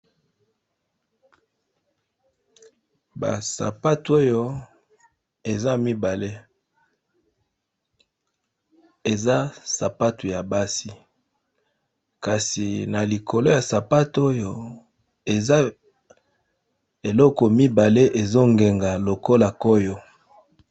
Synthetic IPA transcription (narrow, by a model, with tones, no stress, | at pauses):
ba̰˨sa̰˨pa˦tu˨˦o˦jo˦ | e˨za˦mi˦ba˨le˦ | e˨za˦sa˨pa˦tu˨ja˨ba˦si˨ | ka˨si˨na˨li˨kʰo˨lo˦ja˨sa˨pa˦to˦jo˦ | e˨za˦ | e˨lɔ˦kɔ˨mi˦ba˨le˦ʔe˨zo˦ŋɡe˨ŋɡa˨lo˨ko˦la˨ko˦jo˦